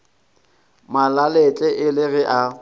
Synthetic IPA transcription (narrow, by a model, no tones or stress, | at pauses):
malalet͡ɬʼɛʔɪlɪɣɪʔa